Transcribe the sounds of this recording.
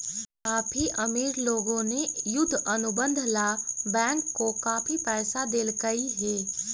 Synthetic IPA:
kaːpʰiʔɐmiːɾloːɡõnejʊd̪ʱːɐnʊbə̃nd̪ʱlabɛ̃ːŋkːokaːpʰipɛːsad̪eːlkəiɦɛː

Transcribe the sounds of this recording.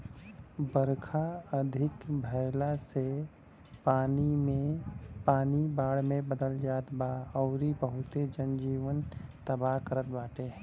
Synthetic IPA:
bəɾkʰaəd̪ʱɪkbʱəɪlase | aːniepaːnibaːɽmẽbəd̪əld͡ʒaːt̪baɔːɾibəɦʊt̪ed͡ʒənd͡ʒiːʋənt̪əbaɦkəɾət̪̚baːʈe

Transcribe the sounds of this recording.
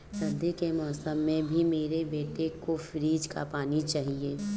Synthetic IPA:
sɐnd̪ikemɔːsəmːẽbʱimeːɾebeːʈekofɪɾiːd͡ʒka̰paːnit͡ʃaːɦieː

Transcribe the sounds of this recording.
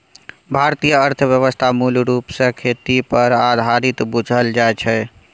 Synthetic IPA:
bʱaɾt̪ijəəɾt̪ʰəʋjəʋəst̪ʰamulɾupsə̃kʰet̪ipəɾad̪ʱaɾit̪bud͡ʒʱəld͡ʒaet͡ʃʰɛ

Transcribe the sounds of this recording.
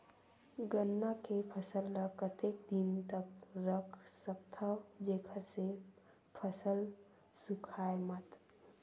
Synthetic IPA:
ɡənːakepʰəsəlːəkət̪ek̚d̪int̪əkɾəkʰsəpt̪ʰəd͡ʒekʰəɾse | pʰəsəl | sukʰaːemət̪

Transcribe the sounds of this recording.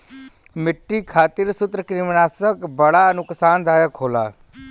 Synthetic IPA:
mɪʈːiːkʰaːt̪ɪɾsʊt̪ɾəkɾɪmnaːsəkbəɽaːənʊksaːnd̪ʱaːjəkʰoːla̰ː

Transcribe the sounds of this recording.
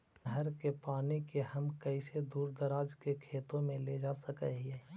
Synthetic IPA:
ɦɛɾkepaːnikeɦɐmkɐised̪uːɾd̪ɐɾaːd͡ʒkekʰeːt̪õmẽled͡ʒaːsɐkɛɦeː

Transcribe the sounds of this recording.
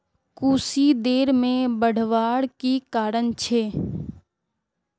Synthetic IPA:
kuːsid̪eːɾmẽbəɽ̤ʋaːɽkikaːɾənt͡ʃʰeː

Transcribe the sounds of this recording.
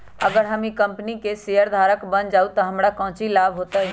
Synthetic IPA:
ɐɡəɾɦɐmĩkɐmpnikeseɦəɾd̪ʱaːɾəkbənd͡ʒaːut̪ɐɦɐmɽakɐ̃ːt͡ʃilaːbʱɦoːt̪aɦi

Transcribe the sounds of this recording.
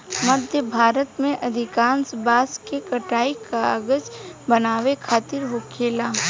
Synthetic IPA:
məd̪ʱjəbʱaːɾət̪mẽʔɐd̪ʱɪkaːnsbaːskekɐʈaːikaəɡəd͡ʒbɐnaːʋekʰaːt̪ɪɾɦokʰeːlaː

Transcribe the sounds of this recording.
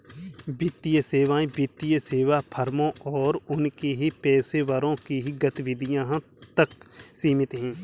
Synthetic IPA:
bɪt̪ːijəseːʋãːẽbɪt̪ːijəseːʋapʰəɾmõʔɔːɾʊnkiɦipɛːseʋəɾõkiɦiɡɐt̪ʋɪd̪ʱijãɦ | t̪əksiːmɪt̪ɦɛ̃ː

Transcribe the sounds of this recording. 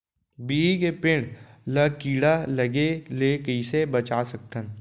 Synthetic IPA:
biːikepɪ̃ɽləkiːɽaləɡelekəɪsebət͡ʃaːsək̚t̪ən

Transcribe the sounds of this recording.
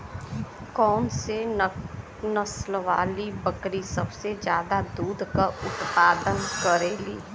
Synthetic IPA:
kɔːnse | nəslʋaːlibəkɾisɐbsed͡ʒjaːd̪ad̪uːd̪ʱkaʊt̪paːd̪ənkəɾeːlḭː

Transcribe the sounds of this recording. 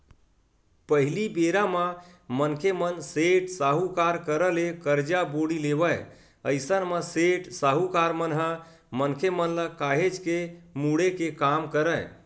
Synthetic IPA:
pəɦilibeɾamamənkʰemənseʈsaɦukaɾkəɾəlekəɾd͡ʒaboɽileβəj | əɪsənməseʈsaɦukaɾmənɦə̃ | mənkʰemənləkaɦed͡ʒkemuɽekekamkəɾə

